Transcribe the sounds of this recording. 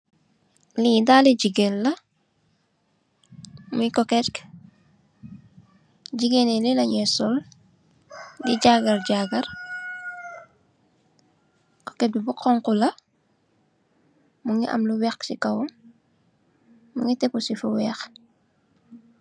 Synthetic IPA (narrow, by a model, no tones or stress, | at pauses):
lidaliɟiɡelːɐ | mujkɔkɛtk | ɟiɡenelilɐɲɛsɔl | diɟaɡɐɾɟaɡɐɾ | ko̥ket̚bibuqɔŋkulɐ | muŋiʔɐ̰mluwɛxsikɐw | muŋitepusifuwɛːx